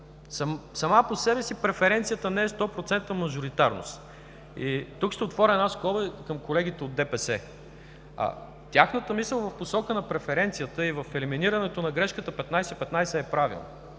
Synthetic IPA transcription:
sɐsɐmaposɛbɛsipɾɛfɛɾɛnt̪sijət̪ənɛɛst̪ɔpɾot̪sɛnt̪əmɐʒoɾit̪aɾno̰st̪ | it̪ukʃt̪ɛot̪vɔɾʲɛd̪asklˠɔbəkəmkolɛɡ̟it̪ɛod̪ːɛpɛsɛ | a̰ | t̪ʲjaxnət̪əmisəlˠvɐfposɔkənɐpɾɛfɛɾɛnt̪sijət̪əivəfɛliminiɾɐnɛt̪onɐɡɾɛʃkət̪əpɛt̪najsɛpɛt̪najsɛːpɾavḭlˠnə̰

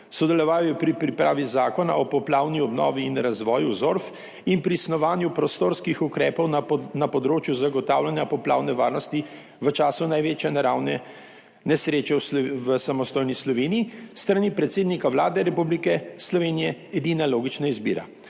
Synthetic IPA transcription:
sɔd̪ɛlɔʋaːjjɔpɾipɾipɾaːʋizaːkɔna̰ʔɔpɔplaːwniɔbnɔ̰ːʋiːnɾazʋɔːjuzoɾf | inpɾiːsnɔʋaːnjupɾɔst̪oɾskixukɾɛːpɔwnapɔd̪ɾoːt͡ʃjuzaɡɔt̪aːwlanjapɔpla̰ːwnɛʋaːɾnɔst̪i | ʋət͡ʃaːsunajʋeːt͡ʃjɛnaɾaːwnɛ | nɛsɾeːt͡ʃɛsʋəsamɔst̪oːjnislɔʋeːniːst̪ɾanipɾɛt̪seːd̪nikaʋlaːd̪ɛɾɛpublikɛslɔʋeːnijɛɛd̪iːnaloːɡit͡ʃnaizbḭːɾa̰

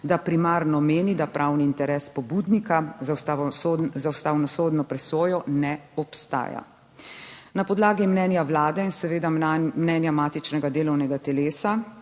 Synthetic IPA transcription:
d̪apɾimaːɾnɔmeːnid̪apɾʔawniːnt̪ɛɾɛːspɔbud̪nikaz | zawst̪aːwnɔsoːd̪nɔpɾɛsoːjɔnɛɔpst̪a̰ːja̰ | napɔd̪laːɡimnɛːnjawlaːd̪ɛinsɛʋeːd̪amnɛnjamaːt̪it͡ʃnɛɡad̪eːlɔwnɛɡat̪ɛleːsa

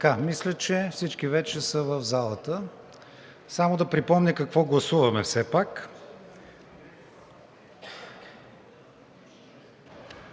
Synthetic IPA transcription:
t̪əkamislʲət͡ʃɛfsit͡ʃkivɛt͡ʃɛsəvəvzalˠət̪ə | samod̪ɐpɾipɔmnʲəkɐkvɔɡlˠɐsuvɐmɛfsɛpak

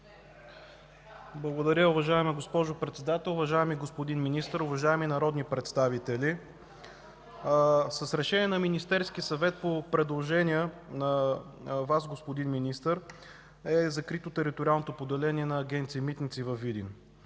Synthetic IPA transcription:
blˠɐɡod̪ɐɾʲəʊvɐʒaɛmiɡospɔʒopɾɛt̪sɛd̪at̪ɛlˠʊvɐʒaɛmiɡospod̪inminist̪əɾʊvɐʒaɛminɐɾɔd̪nipɾɛt̪st̪avit̪ɛli | səsɾɛʃɛnʲiɛnɐminist̪ɛɾskiəsɐvɛt̪̚popɾɛd̪lˠoʒɛnʲiənɐ | vas̬ɡospod̪inminist̪əɾ | ɛzɐkɾit̪ot̪ɛɾit̪oɾʲialˠnot̪opod̪ɛlɛniɛnɐːɡʲɛnt̪simit̪nit̪sivɐfid̪ḭn

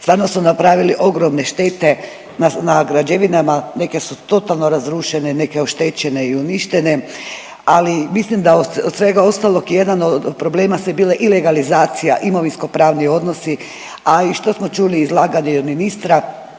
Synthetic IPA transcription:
st̪ʋaːɾno̞smunapɾaːʋiliʔo̞ɡɾo̞mne̞ʃt̪eːt̪e̞ | nanaɡɾad͡ʑeʋinamane̞ke̞sut̪o̞t̪alˠno̞ɾazɾuːʃenene̞keo̞ʃt̪et͡ʃe̞neiuniʃt̪e̞ne̞ | alimislimd̪aood̪sʋe̞ɡao̞st̪alo̞kje̞d̪anod̪pɾo̞ble̞ːmasebileʔileɡalizaːt̪sijaʔimo̞ʋinsko̞pɾaːʋnio̞d̪no̞si | aiʃt̪o̞smo̞t͡ʃuliːzlˠaːɡaɲeod̪minist̪ɾa

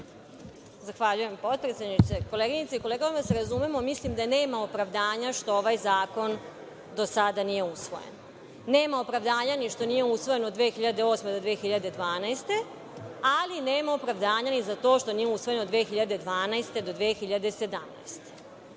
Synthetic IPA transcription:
zaxʋaʎuje̞mpo̞t̪̚pɾet̪sʲed̪nit̪seko̞leɡiɲit̪seiko̞leːɡoʋimaseɾazumemo̞mislimd̪ane̞ːmaopɾaʋd̪aːɲaʃt̪o̞oʋajzaːko̞n | d̪o̞sad̪anije̞usʋo̞̰jḛn | ne̞ːmao̞pɾaʋd̪aːɲaniʃt̪o̞nijeusʋoje̞nod̪ʋeːxiʎad̪eo̞ːsmed̪od̪ʋeːxiʎad̪ed̪ʋaːnajst̪e̞ | aline̞ːmao̞pɾaʋd̪aːɲanizat̪o̞ːʃt̪o̞nijeusʋo̞je̞no̞d̪ʋeːxiʎad̪e̞d̪ʋaːnajst̪e̞d̪o̞d̪ʋexiʎad̪ese̞d̪amna̰jst̪e̥

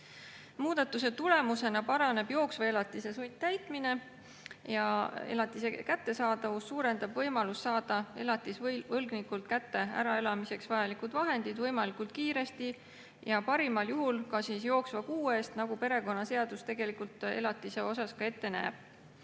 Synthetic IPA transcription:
muːd̪̥ɑt̪ːˑuse̞t̪ule̞muse̞nɑpɑɾɑne̞bjo̞ːksvɑe̞lɑt̪ːˑise̞sujt̪̚t̪æjt̪ˑmine̞ | jɑe̞̰lɑt̪ˑːise̞kæt̪ːe̞sɑːd̪ɑvusːuːɾe̞nd̪ɑbvɤjmɑlust̪ːɑːd̪̥ɑe̞lɑt̪ːˑisvvɤlɡnikult̪̚kæt̪ːe̞æ̰ɾɑe̞lɑmise̞ksvɑjɑlikud̪vɑɦe̞nd̪̥id̪̥vɤjmɑlikult̪̚kiːɾe̞st̪i | jɑpɑɾimɑljuɦulkɑsiːsjo̞ːksvɑkuːe̞ːst̪nɑɡ̥upe̞ɾe̞ko̞nːɑse̞ɑd̪̥ust̪e̞ɡ̥e̞likult̪e̞̰lɑt̪ːˑise̞o̞sɑskɑe̞t̪ːe̞næ̰ːb̥̚

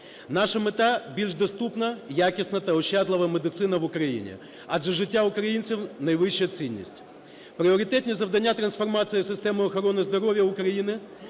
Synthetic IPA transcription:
naʂɐmɪt̪abʲilʲʐd̪ɐst̪upnɐjakʲɪsnɐt̪ɐʊɕːad̪lˠɐʋɐmɪd̪ɨt̪sɪnɐvʊkɾɐjḭnʲɪ̰ | ɐd̪ʐɛʐɨtʲːaʊkɾɐjint̪sɨfnɐjvɪɕːəjət̪sɨnʲːḭsʲtʲ | pɾʲɪoɾʲɪt̪ɛt̪ʲnʲɪzɐvd̪ɐnʲːat̪ɾɐnsfɐrmat̪sɨjɪsʲɪsʲt̪ɛmɨɐxɐɾonɨzd̪ɐɾovʲjɐʊkɾɐjinɨɪ

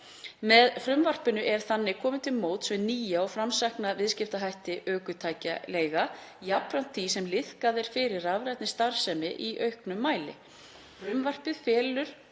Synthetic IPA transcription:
mɛðfɾʏmvar̥pɪnʏʔɛɾ̥θanːɪkʰɔːmɪt̪ʰɪlmoːwt̪svɛniːjaawfɾamsahknavɪðscɪft̪aɦajht̪ɪʔœːkʏt̪ʰaːjca̰leːjɣajapɾan̥t̪ʰːisɛmlɪð̥kaðɪɾ̥fɪɾɪravɾajt̪nɪst̪aɾ̥sɛmɪʔiʔœɥhknʏmːaːjlɪ̰ | fɾʏmvar̥pɪðfɛːlʏɾ̥

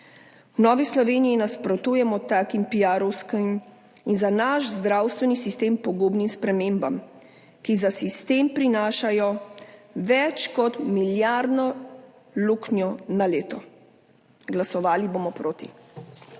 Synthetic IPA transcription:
wnɔːʋislɔʋeːnijinaspɾɔt̪uːjɛmɔt̪aːkimpijaːɾɔwskim | inzanaʃzd̪ɾawst̪ʋɛnisist̪eːmpɔɡoːbnimspɾɛmeːmbam | kizasist̪empɾinaːʃajɔ | ʋɛt͡ʃkɔt̪miljaɾd̪nɔ | luknjɔnaleːt̪ɔ | ɡlasɔʋaːliboːmɔpɾoːt̪i

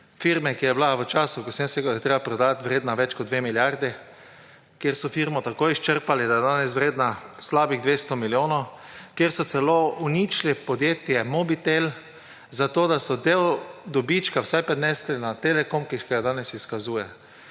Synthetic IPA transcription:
fiɾmɛkijɛblaʋət͡ʃaːsʊkosɛnseɡad̪ajɛt̪ɾeːbapɾɔd̪at̪ʋɾeːd̪naʋɛt͡ʃkɔt̪d̪ʋemiljaɾd̪ɛ | kjeɾsɔfiɾmɔt̪akojiʃt͡ʃəɾpalɛd̪ajɛd̪aːnɛsʋɾeːd̪naslaːbiɣd̪ʋeːst̪ɔmiljoːnokjeɾsɔt̪sɛlounit͡ʃlɛpɔd̪jeːt̪jɛmɔbit̪el | zat̪oːd̪asɔd̪ewd̪ɔbit͡ʃkawsajpɾɛd̪nɛslɛnat̪elɛkomkiʃkɛɡad̪aːnɛsiskazuːjɛ

